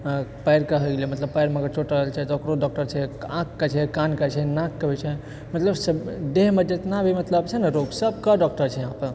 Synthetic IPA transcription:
pajɾkəɦəɡelimət̪ləbpajɾmãkət͡ʃʰoʈəəɦlt͡ʃʰɛt̪okɾoɖɔk̚ʈəɾt͡ʃʰɛãkːət͡ʃʰɛkankət͡ʃʰɛnãkːəbɛt͡ʃʰɛ | mət̪ləbsəd̪eɦməd͡ʒet̪nabʱimət̪ləbt͡ʃʰɛnəɾoɡsəbkəɖɔk̚ʈəɾt͡ʃʰɛɦãpə

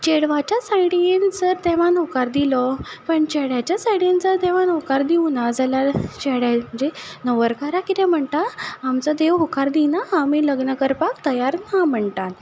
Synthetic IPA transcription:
t͡ɕeɽʋat͡ɕjasajɽind͡zəɾt̪eʋ̤anowkaɾd̪ilɔpəɳt͡ɕeɽjat͡ɕjasajɽind͡zəɾt̪ɛʋ̤anokaɾd̪iʋnad͡zalaɾt͡ɕeɽjaməɳd͡ʑenəʋəɾkaɾakit̪ɛ̃m̤əɳt̪aːmt͡səd̪eʋɦokaɾd̪inaːmiːləɡnəkəɾpakt̪əjaɾnam̤əɳt̪an

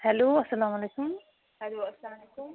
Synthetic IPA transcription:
hɛloːɐsːɐlaːmɐleːkʊm | hɛloːɐsɐlamlekʊm

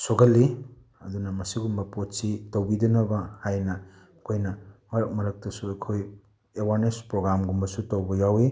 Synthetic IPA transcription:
soɡɐlːi | ɐdunɐmɐsiɡumbɐpotsitɐwbidɐnɐbɐhajnɐ | ɐkʰojnɐmɐɾɐk̚mɐɾɐk̚tɐsuɐjkʰoj | ewaɾnespɾoɡɾamɡumbɐsutɐwbɐjawi

